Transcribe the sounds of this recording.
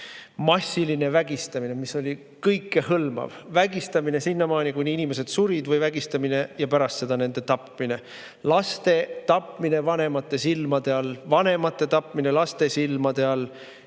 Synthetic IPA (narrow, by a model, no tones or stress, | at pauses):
mɑsʲːiline̞væɡ̥ist̪ɑmine̞miso̞lʲi | kɤjkːˑehɤlmɑ̰vvæɡist̪ɑmine̞sinːɑmɑːnʲikujnʲiinʲime̞se̞d̪̥suɾid̪vɤjvæɡ̥ist̪ɑmine̞jɑpæɾɑst̪se̞d̪̥ɑne̞nd̪̥e̞t̪ɑpmine̞ | lɑst̪e̞t̪ɑpmine̞vɑne̞mɑt̪ːˑe̞silmɑd̪e̞ɑlvɑne̞mɑt̪ːˑe̞t̪ɑpˑmine̞lɑst̪e̞silmɑd̪e̞ɑl